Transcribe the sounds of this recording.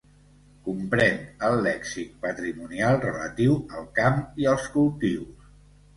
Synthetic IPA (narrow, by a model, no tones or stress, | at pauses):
kumpɾɛnəlːɛksik̪̚pət̪ɾimunialˠrələ̰t̪iwəlˠkamiəlˠskulˠt̪iws